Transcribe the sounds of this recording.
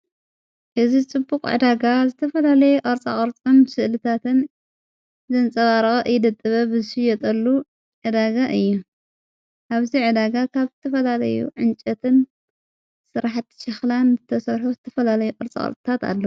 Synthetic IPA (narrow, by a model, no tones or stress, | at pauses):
ʔɨzit͡sʼɨbːukʼʕɨ̰d̪aɡazɨt̪ʰɐfɐlalɐjɛʔʼɐɾt͡sʼa̰χʼɐɾt͡sʼonsɨʔlɨt̪ʰat̪ʰɨn | zɐnt͡sʼɐβaɾɐɣʼɐʔɨjɪd̪ɐt̪ʼːɨβɐbɨzʃɨjɛt̪ʼɐlːu | ʕɨd̪aɡaʔɨjːu | ʔaβziʕɨd̪aɡakʰaβzɨt̪ʰɐfɐlalɐ̰jṵʕɨnt͡ʃʼɐt̪ʰɨn | sɨɾaħt̪ʃɐxlanzɨt̪ʰɐsɐɾħuzɨt̪ʰɐfɐlalɐjuqʼɐɾt͡sʼa̰kʼɐ̰ɾt͡sʼɨt̪ʰat̪a̰lːɐ